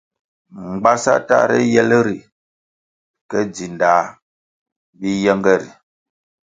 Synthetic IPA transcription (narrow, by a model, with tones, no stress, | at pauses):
ŋ˨ɡ͡ba˦sa̰˦ta̰˦˨ɾɛ̰˦jɛ˦lə˦ɾi˨ | kə˦d͡zi˨ndaː˨˦ | bi˦jɛ˦ŋɡə˦˨ɾḭ˨